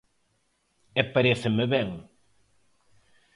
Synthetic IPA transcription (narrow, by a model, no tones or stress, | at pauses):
epaɾeθɪmeβɛŋ